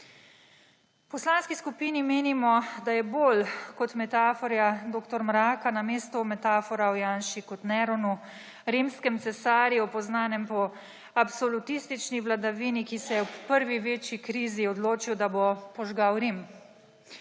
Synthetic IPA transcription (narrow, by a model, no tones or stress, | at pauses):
pɔslaːnskiskupiːnimeːnimɔd̪ajɛboːlkɔt̪mɛt̪aːfɔɾjad̪oːkt̪ɔɾmɾaːkanameːst̪umɛt̪aːfɔɾawjaːnʃikɔt̪nɛɾɔnu | ɾimskɛmt̪sɛsaːɾjiɔpɔznaːnɛmpɔ | apsɔlut̪iːst̪it͡ʃniʋlad̪aʋiːnikisɛjɛwpəɾʋiʋeːt͡ʃikɾiːziɔd̪loːt͡ʃiwd̪abopɔʒɡawɾim